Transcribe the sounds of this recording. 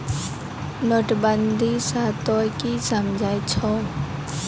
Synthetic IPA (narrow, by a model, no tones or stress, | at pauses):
nɔʈbənd̪ʱisaːt̪ɔkisəmd͡ʒʱaːit͡ʃʰɔ